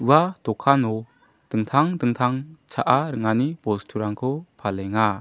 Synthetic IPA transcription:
uwadɔkʰanɔ | d̥ɯŋt̪ʰaŋdɯŋt̪ʰaŋt͡ʃʰaʔaɾɯŋanipɔstʰuɾaŋkʰɔpʰalɛŋa

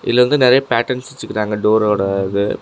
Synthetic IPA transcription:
ʔɪ̰ðlːɐʋɐnd̪ɯnɪɾɐjɐpaːʈɐɳsʋɛt͡ʃːɯkːɪɾaːŋɡɐɖoːɾoːɽɐðɯ

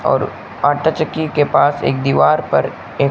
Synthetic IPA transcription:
ɔ̰ːɾ | aːʈʰat͡ʃəkːikepaːsḛːk̚d̪iːʋaːɾpɐ̰ɾ | eː

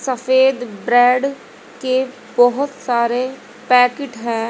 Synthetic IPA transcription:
səpʰeːd̪bɾɛːɖ | ke | bɔɦʊt̪saːɾeː | pɛːkɪʈɦɛ̃ː

